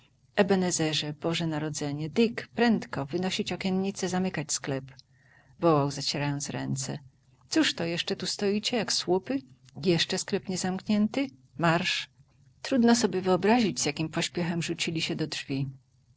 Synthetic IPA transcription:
ʔɛbɛnɛzɛʐɛbɔʐɛnaɾɔd̪zɛɲɛd̪ɘkpɾɛnt̪kɔvɘnɔɕit͡ɕɔkʲɛnɲit̪sɛzamɘkat͡ɕsklɛp | vɔwawzat͡ɕeɾajɔnt̪sɾɛ̰nt̪sɛ̰ | t̪suʂt̪ɔjɛʂt͡ʂɛt̪ust̪ɔit͡ɕɛjakswupɘ | jɛʂt͡ʂɛsklɛpɲɛzamkɲɛnt̪ɘ | maɾʂ | t̪ɾud̪nɔs̬ɔbʲjɛvɘɔbɾaʑid͡ʑzjakʲimpɔɕpʲjɛxɛmʐut͡ɕilʲiɕɛd̪ɔdʐvʲi

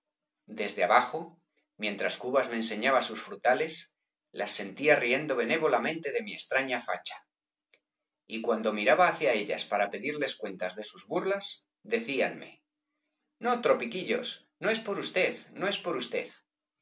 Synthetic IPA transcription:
d̪e̞zðeaβaxo | mjẽ̞nt̪ɾaskuβazme̞ːnse̞ɲaβasusfɾut̪ale̞s | lasːe̞nt̪iarie̞nd̪o̞β̞e̞ne̞β̞o̞lamẽ̞nt̪e̞ðe̞mie̞st̪ɾaɲafa̰t͡ʃḁ | ikwand̪o̞miɾaβaːθjae̞ʎa̰spaɾape̞ðiɾle̞skwe̞nt̪azðe̞suzβuɾlas | d̪e̞θianme̞̰ | no̞t̪ɾo̞pikiʎo̞̰sno̞e̞spo̞ɾust̪e̞ðno̞e̞spo̞ɾust̪e̞̰ð

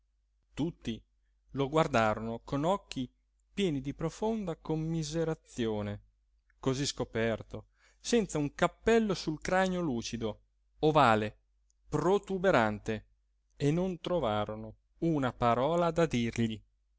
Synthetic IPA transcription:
t̪ut̪ːi | loɡward̪aːɾonokonɔkːi | pjɛːnid̪ipɾofond̪akomːizeɾat̪sːjoːne | koziskopɛrt̪o | sɛnt̪sauŋkapːɛlːosulkɾaɲoluːt͡ʃid̪o | ovaːle | pɾot̪ubeɾant̪e | enont̪ɾovaːɾono | unapaɾɔːlad̪ad̪irʎi

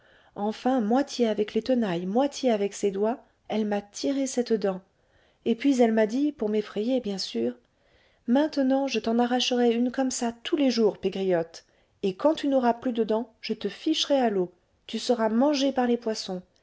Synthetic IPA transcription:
ɑ̃fɛ̃mwat̪jeavɛklet̪ənajmwat̪ʰjeavɛksed̪wa | ɛlmat̪ʰiʁesɛt̪d̪ɑ̃ | epɥizɛlmad̪ipuʁmefχɛjebjɛ̃syːʁ | mɛ̃t̪ənɑ̃ʒət̪ɑ̃naʁaʃəʁɛynkɔmsat̪ʰuleʒuːʁpeɡʁijɔt̪ | ekɑ̃t̪ynɔʁaplyd̪əd̪ɑ̃ʒ̥ət̪əfiʃʁɛalo | t̪ysəʁamɑ̃ʒepaʁlepwasɔ̃

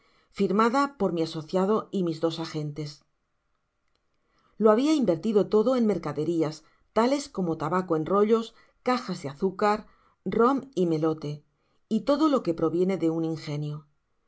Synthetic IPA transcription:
fiɾmaðapo̞ɾmiaso̞θjað̞o̞imizðo̞saxe̞nt̪e̞s | loaβiaimbe̞ɾt̪iðo̞t̪o̞ðo̞e̞nme̞ɾkaðe̞ɾias | t̪ale̞sko̞mo̞t̪aβako̞e̞nro̞ʎo̞s | kaxazðeaθukaɾ | ro̞mime̞lo̞t̪e̞ | it̪o̞ðo̞lo̞ke̞pɾo̞βje̞ne̞ðe̞uniŋxe̞njo

